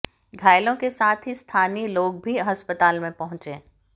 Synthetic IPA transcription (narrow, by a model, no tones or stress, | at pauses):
ɡʱaːɪlõkesaːt̪ʰɦist̪ʰaːniloːɡ̚bʱiɦɐspət̪aːlmẽpɐɦʊ̃t͡ʃẽː